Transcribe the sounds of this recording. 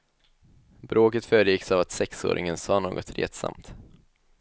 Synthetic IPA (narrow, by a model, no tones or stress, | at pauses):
bɾoːkət̪fœːɾjɪksavat̪sɛkso̰ːɾʔɪ̰ŋənsɑːnoːɡɔt̪ɾḛːt̪sa̰mt̪